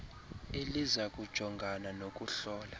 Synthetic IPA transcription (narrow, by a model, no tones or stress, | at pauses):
elizak̬ʼud̥ʒ̥ʱɔŋɡʱananok̬ʼuɬɔːla